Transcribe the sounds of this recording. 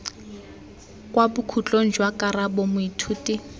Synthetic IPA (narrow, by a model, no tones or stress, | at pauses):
kʼwabʊkʰut͡ɬʼon̩d͡ʒwakʼaɾabomʊitʰuːti